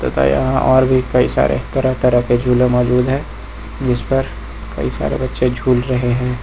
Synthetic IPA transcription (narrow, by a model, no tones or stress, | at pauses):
t̪ot̪a̰jɐ̰ɦãʔɔːɾbʱikɐisa̰ːɾʔḛt̪ɐɾət̪ɐɾəɦked͡ʒʱuːlẽmɔːd͡ʒuːd̪ɦɛ̃ː | d͡ʒɪspɐɾ | kɐ̰isa̰ːɾḛbɐtːʃed͡ʒʱuːlɾɐɦeɦɛ̃ː